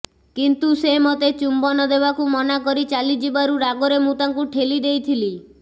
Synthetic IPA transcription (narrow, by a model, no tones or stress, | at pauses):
kint̪usemɔt̪et͡ʃumbɔnɔd̪ebakumɔnakɔɾit͡ʃalid͡ʒibaɾuɾaɡɔɾemũt̪aŋkuʈʰelid̪ejt̪ʰili